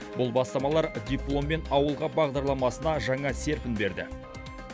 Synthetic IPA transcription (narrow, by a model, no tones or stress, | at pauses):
bʊlˠbɑst̪ɑmɑlˠɑɾd̪ʲijplˠo̞mbe̞nɑwəlˠʁɑbɑʁd̪ɑɾlˠɑmɑsənɑʒɑŋɑse̞ɾpʲɪnbe̞ɾd̪ɪ̰